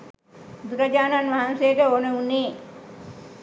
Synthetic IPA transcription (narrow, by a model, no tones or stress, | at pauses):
ud̪uɾɐd͡ʒaːnanʋaɦansejəʈəonəunːeː